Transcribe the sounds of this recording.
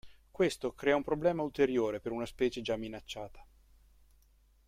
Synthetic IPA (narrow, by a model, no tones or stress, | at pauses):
kwest̪okɾɛːaumpɾoblɛːmault̪eɾjoːɾepeɾunaspɛːt͡ʃed͡ʒamːinat͡ʃːaːt̪ḁ